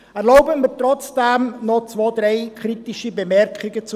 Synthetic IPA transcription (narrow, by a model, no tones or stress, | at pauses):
ɛɾloʊbəmitrɔt͡sd̥ɛmnɔt͡svoːdɾeɪkʰʁ̥itɪʃibəmɛɾkʰχɪɡət͡s